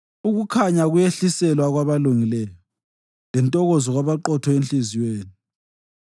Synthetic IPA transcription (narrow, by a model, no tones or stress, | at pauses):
uɣukʰaɲaɣujeɬisɛlwaɣwaβaluŋilɛjɔ | lɛntʼɔɣɔzɔɣwaβaǃɔtʰɔenɬiziweːni